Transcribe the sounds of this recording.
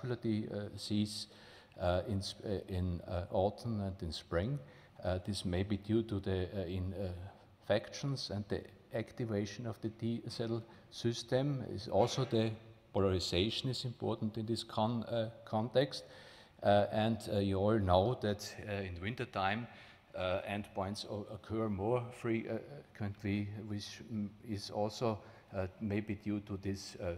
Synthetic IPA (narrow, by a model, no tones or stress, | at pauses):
lədisiːz | ɪ̃nsɪ̃nɔtʰn̩ɛ̃ndɪ̃nspɹɪ̃ŋ | ðɪsmeɪbiːdjuːtuðəɪ̃n | fɛkʃə̃nsɛ̃ndðḭ | æktɪveɪʃə̃nɔvðədisɛɾl̩ | sɪstɛ̃mɪ̰zɔlsoʊðəpʰɔləɹɪseɪʃə̃nɪzɪ̃mpʰɔ̰ɹtn̩tɪ̃nðɪskʰɔ̃nkʰɔ̃ntɛkst | ɛ̃ndjuɔlˠnoʊðætɪ̃nwɪ̃ntə˞tʰãɪ̃m | ɛ̃ndpʰɔ̃ɪ̃ntsəkʰɜɹmɔɹfɹikʰwɛ̃ntliwɪt͡ʃɪzɔlsoʊ | meɪbiːdjutʰuðɪs